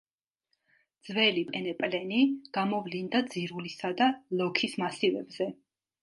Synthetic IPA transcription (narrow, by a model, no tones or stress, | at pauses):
d̪z̥vɛlipʼɛnɛpʼlɛniɡ̥amɔvlind̪ad̪ziɾulisad̪alˠɔkʰismasivɛ̰bz̥ɛ